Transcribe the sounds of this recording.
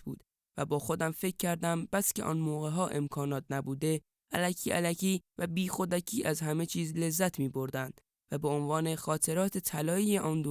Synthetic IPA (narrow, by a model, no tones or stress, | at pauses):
bṵːd̪ | væbɒːxo̞d̪æmfe̞cʲʰːæɾd̪æmb̥æskcʰe̞ʔɒ̰ːnmoːɣe̞ɦɒːʔe̞mkʰɒːnɒːt̪̚ʰnæbuːd̪e̞ | æ̰læcʰiːʔæ̰læcʰiːvæbiːxo̞d̪æcʰiːʔæzɦæme̞t͡ʃʰiːzle̞zːæt̪ʰmiːbo̞ɾd̪ænd̪̥ | væbe̞onvɒːne̞xɒːt̪ʰe̞ɾɒːt̪ʰe̞t̪ʰælɒːiːjeʔɒːnd̪o